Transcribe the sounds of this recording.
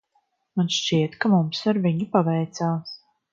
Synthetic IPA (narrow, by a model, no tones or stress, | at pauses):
manʃt͡ʃiɛt̪kamumsaɾviɲipavɛjt̪saːs